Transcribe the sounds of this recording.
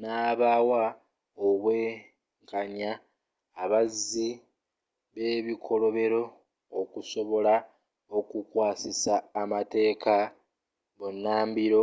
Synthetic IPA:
naːβaːwa | oβwe̞ː | ŋɡaɲaː | βazi | βe̞βikʰo̞lo̞βe̞ɾo̞ː | kuso̞βo̞la | o̞kukwaːsisaːmate̞ːkʰa | βonːaːmbiɾo̞

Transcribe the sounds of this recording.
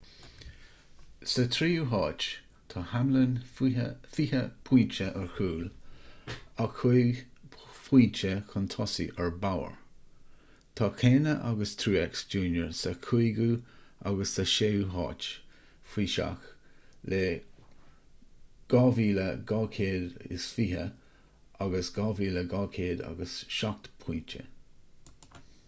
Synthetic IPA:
sət̪ʰɾiːuɦɑːt͡ʃ | t̪ʰɑːhamlən | fiːhəpʰw̥iːt͡ʃəʔəɹkʰuːl | akʰujɡfwiːt͡ʃəkʰənt̪ʰɔsḭʔəɹbawə̰ɹ | t̪ʰɑːkʰeːnəʔa̰ɡəst̪ʰɾuːɛksd͡ʒuːnjəɹsəkʰuɡua̰ɡəstəʃewɦɑ̰ːt͡ʃ | fiːʃa̰xleː | ɡ̥ɑːviːləɡɑːkʰeːd̪ɪ̰sfiːɦə̰ | aɡəsɡɑːviːləɡɑːkʰeːd̪a̰ɡəsʃak̚t̪pʰiːt͡ʃə̰

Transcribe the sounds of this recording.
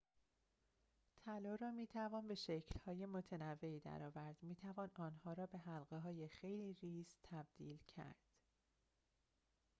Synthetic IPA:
t̪ʰælɒːɾɒːmiːt̪ʰævɒːnbe̞ʃecʰlhɒːje̞mot̪ʰenævːe̞iːd̪æ̰ɾɒːvæɾd̪̥miːt̪ʰævɒːnɒːnhɒːɾɒːbe̞ɦælɢeɦɒːjexe̞jliːriːst̪ʰːæb̚d̪̥iːlcʰæ̰ɾd̪̥

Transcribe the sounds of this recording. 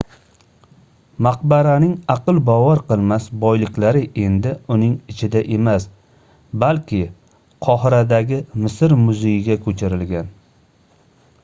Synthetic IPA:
maq̚baɾanɪŋɑqɨlˠbɒvɒɾqɨlˠmasbɒjlɪkʲlaɾɪʔe̞nd̪ɪʊnɪŋɪt͡ʃʰɪd̪aʔe̞mas | balkʲʰɪ | qʰɒhɪɾad̪aɡʲɪmɪsɪɾmʊzejɪɡʲakʰɵt͡ʃʰɪɾɪlɡʲan

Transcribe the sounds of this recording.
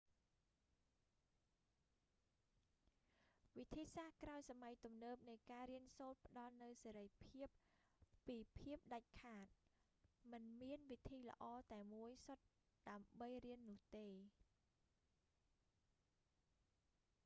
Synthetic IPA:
ʋit̪ʰiːsahkraɔjsamajt̪umnəːp̚nɨjkaːɾiənsoːt̪̚pə̆ɗɑlnɨwseːɾəjpʰiəpː | iːpʰiəp̚ɗac̚kʰaːt̪̚ | mɨnmiənʋit̪ʰiːlə̆ʔɑːt̪aɛmuəjsot̪̚ | ɗaəmɓəjriənːʊ̆əht̪eː

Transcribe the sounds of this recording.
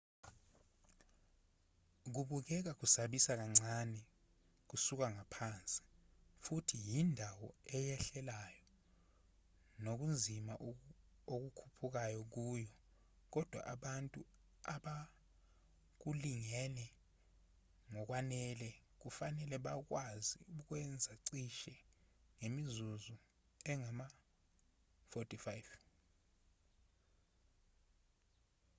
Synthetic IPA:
k̬uɓuk̬ɛk̬ak̬usaɓisak̬aŋ͡ǀʱanɛ | k̬usuk̬aŋapʰant͡sʼi̥futʰijindʱawɔ̰ɛjɛɬɛlajɔ | nok̬und͡zʱimaʔ | ok̬ukʰupʰuk̬ajɔk̬uːjɔ | k̬ɔd̥ʱwa̰ʔaɓantʼu | aɓa | k̬uliŋɛlɛ | ŋɔk̬wanɛlɛk̬ufanɛlɛɓak̬wazḭuk̬wɛnd͡zʱaǀiʃɛŋemizuzu | ɛŋama | fotʼifajv

